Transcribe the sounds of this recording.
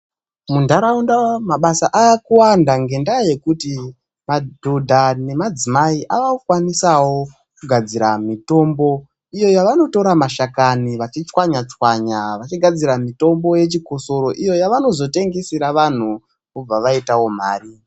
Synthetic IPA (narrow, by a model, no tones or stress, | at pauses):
mundaɾaundamaɓasaʔaːkuwandaŋɡe̞ndaje̞kuti | madʱudʱane̞mad͡zimaiʔaʋaukwanisawo̞ | kuɡʱad͡ziɾamito̞mbo̞ | ijo̞jaʋano̞to̞ɾamaʃakaniʋat͡ʃit͡ʃwaɲat͡ʃwaɲaʋat͡ʃiɡʱad͡ziɾamito̞mbo̞je̞t͡ʃiko̞so̞ɾo̞ʔijo̞jaʋano̞zo̞te̞ŋɡesiɾaʋan̤u | kub͡vaʋaitawo̞m̤a̰ːri